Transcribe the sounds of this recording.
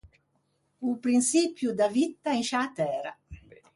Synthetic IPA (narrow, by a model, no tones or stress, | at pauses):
upɾinsiːpjud̪avit̪ːainʃat̪ɛːɾa